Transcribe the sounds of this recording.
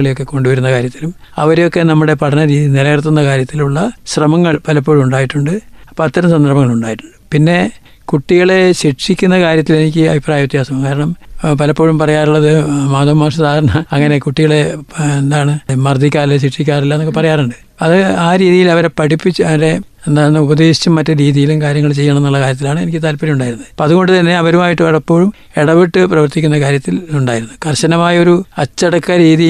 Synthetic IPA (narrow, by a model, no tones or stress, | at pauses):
ɐɭejo̞kːe̞ko̞ɳɖuʋɐɾunːɐkaːɾjɐt̪ːilum | ɐ̰ʋɐɾejo̞kːe̞nɐmːuɽe̞pɐʈʰɐnɐɾiːðinilɐɣɐrt̪ːunːɐkaːɾjɐt̪ːiluɭːɐɕrɐmɐŋːɐɭpɐlɐpːo̞ːɻumuɳɖaːjiʈːuɳɖɨpɐt̪ːɐɾɐmsɐnd̪ʱɐrbɐŋːɐɭuɳɖaːjiʈːu̥ɳɖɨpinːe̞ | kuʈːiɣɐɭe̞ɕiʈʂikʲːunːɐkaːɾjɐt̪ːile̞nik̬ʲːɨɐbʱipraːjɐʋit̪ːjaːsɐmumkaːɾɐɳɐmpɐlɐpːoːɻumpɐrɐjaːruɭːɐðɨmaːðɐmːaːʂɐt̪aːɐɾɐɳɐɐŋːɐne̞kuʈːiɣɐɭe̞end̪aːɳɨmɐrd̪ʱikʲːaːrilːɐsiʂːikʲːaːrilːaɐnokːɨepɐrɐjaːruɳɖɨ | ɐðɨaːɾiːðijilɐʋɐɾepɐɽipːit͡ɕːuɐʋɾe̞ | nːɐnːɨubɐðe̞ːɕi̥t͡ɕːumːɐtːɨɾiːðijilumkaːɾjɐŋːɐɭt͡ɕe̞jːɐɳɐ̃menːuɭːɐkaːɾjɐt̪̬ːilaːɳɨe̞nikʲːɨt̪aːlpɐɾijuɳɖaːjiɾunːɐðɨpoːɐðuɣo̞ɳɖɨt̪ɐnːe̞ɐʋɐɾumaːjiʈːɨpɐlɐpːo̞ːɻum | eɽɐʋiʈːɨprɐʋɐrt̪ikʲːunːɐkaːɾjɐt̪ːiluɳɖaːjiɾunːukɐrɕɐnɐmaːjɐo̞ɾuɐt͡ɕːɐɽɐkːɐɾiːði